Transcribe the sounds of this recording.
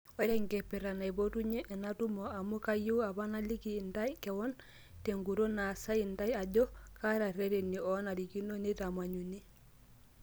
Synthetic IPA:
oɾe˦ŋke˨pi˨ɾa˨na˨jbotuɲe˦ʔːnatu˦moa˨mu˦ka˦ji˦wa˨ba˦na˦li˦kinta˦jkewɔ˦n | teŋɡu˨ɾo˦na˨sa˦inta˦ja˨ɟo˦ka˦ɾa˨ɾeɾenːi˨ɔ˦na˨ɾi˨ki˦no˦ni˦tama˨ɲuni˦

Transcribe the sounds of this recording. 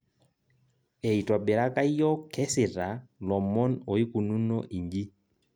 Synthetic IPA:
ɛ˨i˨twɔ˨bɛ˨ɾa˦ka˦jɔ˦kɛ˦sɪ˨ɾa˨lɔ˨mɔ˦no˨i˦ku˨nu˦nɔ˦ʔi˨ɲd͡ʒi˦

